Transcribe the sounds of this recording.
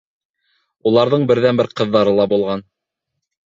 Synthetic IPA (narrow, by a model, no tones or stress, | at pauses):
ulˠɑɾðɤɴbɘ̆ɾðænbɘɾqɤ̆ðːɑɾɤlˠɑbulˠʁɑn